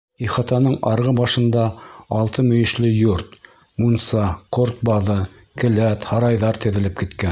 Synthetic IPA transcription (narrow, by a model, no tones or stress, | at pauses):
iχɑt̪ɑnɤɴɑɾʁɤbɑʃɤ̆nd̪ɑɑlˠt̪ɤmɵ̆jɘ̆ʃlɘjuɾt̪̚ | munsɑqoɾt̪̚bɑðɤ | kɘ̆læt̪hɑɾɑjðɑɾt̪ɘ̆ðɘ̆lɘp̚kɘ̆t̪kæ